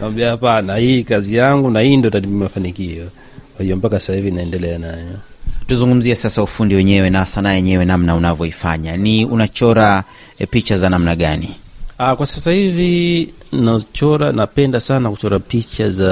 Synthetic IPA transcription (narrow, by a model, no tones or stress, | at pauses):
nawambiahapanahikazijaŋɡunahiːndɔtatimmafanikiɔ | kwahijɔm̩pakasasahivinaɛndɛlɛanajɔtuzuŋɡum̩ziɛsasaufundiwɛɲɛwɛnasanajɛɲɛwɛnamnaunavjɔifa̰ɲaniunat͡ʃɔɾa | pit͡ʃazanamnaɠaniakwasasahivi | nat͡ʃɔɾanapɛndasanakut͡ʃɔɾapit͡ʃaza